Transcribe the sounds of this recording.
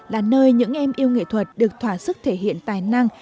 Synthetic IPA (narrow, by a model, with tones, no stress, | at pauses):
laː˨˩nəː˧jɲɨ̰˧˥ŋʔɛ˧mʔi˧əwŋḭ˧˨t̪ʰwə˨˩t̚ɗɨ˨˩ək̚t̪ʰwaː˧˩sɨ˦˥k̚t̪ʰe˧˩ɦḭ˧˨ənt̪aː˨˩jna˧ŋ